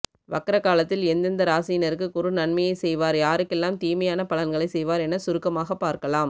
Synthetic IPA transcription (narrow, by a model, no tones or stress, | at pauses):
ʋɐkːɐɾɐkːaːlɐt̪ːɪlɛnd̪ɪnd̪ɐɾaːsijnɐɾɯkːɯkʊɾɯnɐɳmɐjɐɪsɛjʋaːɾjaːɾɯkːɛlːaːmt̪iːmɐjaːnɐpɐlɐnɡɐɭɐɪsɛjʋaːɾɛnɐsʊɾɯkːɐmaːɣɐpːaːɾkɐlaːm